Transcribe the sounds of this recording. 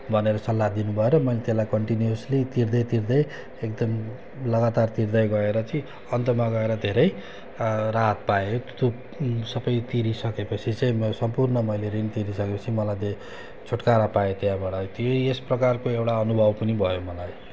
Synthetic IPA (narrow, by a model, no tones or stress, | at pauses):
bʱʌneɾʌsʌlːad̪inubʱʌeɾʌmʌjlet̪elajkʌɳʈinjuslit̪ird̪ʌjt̪ird̪ʌj | ekd̪ʌm | lʌɡat̪art̪ird̪ʌjɡʌeɾʌt͡sʌĩ | ʌnt̪ʌmaɡʌeɾʌd̪ʱeɾʌj | raɦʌt̪̚paet̪o | sʌpʌjt̪iɾisʌkepʌt͡sʰit͡saĩsʌmpurnʌmʌjleɾinit̪iɾisʌkepʌt͡sʰimʌlajd̪e | t͡sʰoʈkaɾapajet̪jãbaɽʌt̪joesprʌkarkoewʈaʌnubʱʌbpʌnibʱʌjomʌlaj